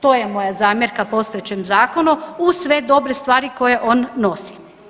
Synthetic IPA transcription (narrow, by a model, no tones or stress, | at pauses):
t̪o̞ːjemo̞jazaːmjeɾkapo̞st̪oet͡ɕemzaːkonuusʋe̞d̪o̞bɾest̪ʋaːɾiko̞je̞ʔo̞nːo̞si̥